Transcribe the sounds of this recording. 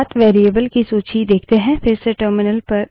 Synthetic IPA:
t̪ʋeːɾiəbəlkisoːt͡ʃid̪eːkʰt̪eɦɛ̃fɪɾseʈəːɾmɪnəlpɐɾ

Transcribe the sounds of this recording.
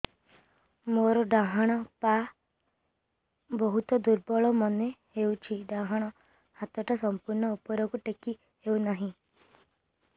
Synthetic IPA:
moɾɔɖaɦaɽ̃ɔpa | bɔɦut̪ɔd̪uɾbɔɭɔmɔnehewt͡ʃʰiɖaɦaɽ̃ɔ | hat̪ɔʈasɔmpuɾɳɔupɔɾɔkuʈeki | ewnaɦĩ

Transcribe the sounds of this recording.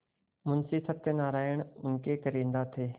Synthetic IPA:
mʊnsiːsət̪ːenaːɾaːjəɽ̃ʊŋkeːkəɾĩːnd̪aːt̪ʰeː

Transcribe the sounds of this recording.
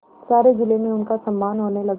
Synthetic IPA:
saːɾed͡ʒɪlemẽʊnkasɐmːaːnɦoːnelɐɡ

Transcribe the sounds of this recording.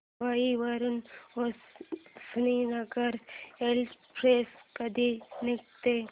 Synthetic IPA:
ʋaiʋɐɾənossninɐɡəɾelpʰɾeːskɐd̪inɪk̚t̪e

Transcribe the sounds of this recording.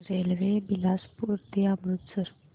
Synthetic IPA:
ɾeːlʋebilaːspuɾd̪eamɾut̪səɾ

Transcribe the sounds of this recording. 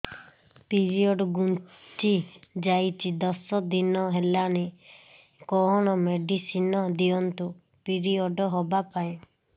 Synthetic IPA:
piɾiɔɖɔɡun | t͡ʃid͡ʒajt͡ʃid̪ɔsɔd̪inɔɦelane | kɔɦɔɽ̃ɔmeɖisinɔd̪iɔnt̪u | piɾiɔɖɔɦobapaĩ

